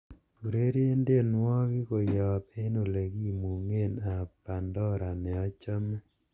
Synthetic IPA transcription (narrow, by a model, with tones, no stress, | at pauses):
pu˨ɾe˦ɾe˦nde˦˨nwɔ˦kɪ˦ko˨jɔ˨pe˦no˨le˨ɡi˦mu˨ŋe˦˨na˨pa˨ndɔ˦ɾa˨nɛ˨ɔ˦t͡ʃɔ˦mɛ˦